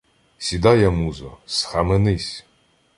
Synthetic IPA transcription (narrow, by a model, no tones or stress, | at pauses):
sʲid̪ajamuzɔ̰sxamenɪsʲ